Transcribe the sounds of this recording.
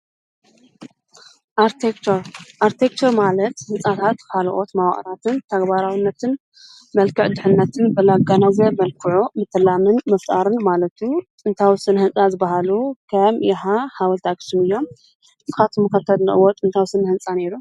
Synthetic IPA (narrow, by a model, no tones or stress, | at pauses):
ʔaɾt̪ʰekt͡ʃoɾʔaɾt̪ʰek̚t͡ʃʰoɾmalɐt̪hɨnt͡sʼat̪ʰat̪kʰalʔo̞t̪mawa̰χʼɾʰat̪ʰɨnt̪ʰɐɡbaɾawɨnːɐt̪ɨn | mɐlkʰɨʕd̪ɨħɨnːɐt̪ʰɨnbɐlaɡanɐzɐmɐlkʰɨʕumɨt̪ʰːɨlːamɨnmɐft̪ʼaɾɨnmalɐt̪jut̪ʼɨnt̪ʰawsɨnhɨnt͡sʼazɨbːaɦalukʰɐmjɛħahawɐlt̪ʰakʼsɨmɨjːom | sɨ̥kat̪ʰumːɨxɐt̪ʰːɐd̪nɨ̰ʔɨ̰wot̪ʼɨnt̪ʰawsɨnhɨnt͡sʼane̞ɾu